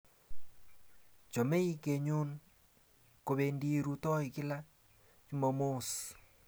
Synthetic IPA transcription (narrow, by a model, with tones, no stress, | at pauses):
t͡ʃo˨me˦i˦ke˨ɲu˦n | ko˨βe˨ndi˦˨ɾu˨tɔ˦i˨kɪ˦la˦ | t͡ʃi˦mɔ˨mo˦s